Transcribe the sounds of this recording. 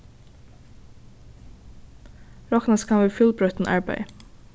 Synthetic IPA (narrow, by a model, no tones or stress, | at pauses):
ɹɔknɑskʰɑnʋəfʏlbɹœt̪n̩ʔɑɹbæ̰ɪ